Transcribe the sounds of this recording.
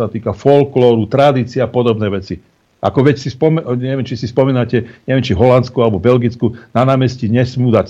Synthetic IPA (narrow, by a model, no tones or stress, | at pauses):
at̪iːkafɔlklɔːɾut̪ɾad̪iːt͡siaːpɔd̪ɔbnɛːʋɛt͡si | ʔa̰kɔʋɛcsispɔmɛɲɛʋjɛmt͡ʃisispɔmiːnacɛɲɛʋjɛmt͡ʃivɦɔlant̪t͡skualɛbɔbɛlɡit͡skunanaːmɛsciɲɛsmuːd̪ac